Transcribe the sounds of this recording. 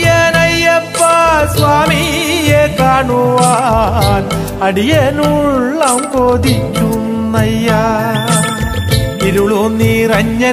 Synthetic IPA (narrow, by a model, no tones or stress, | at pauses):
jeːnɐjːɐpːɐsʋaːmi | jekaːɳuʋaːn | ɐɽijenuɭːɐmkoːd̪it͡ʃːunːɐjːaː | iɾuɭuniːɾɐɲːɐ